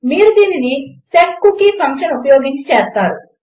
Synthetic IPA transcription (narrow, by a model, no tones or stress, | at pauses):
miːɾud̪iːninisekːukipʰɐŋkʂɐnupɐjo̞ːɡiɲt͡ʃi̥t͡ʃɛːst̪aːɾu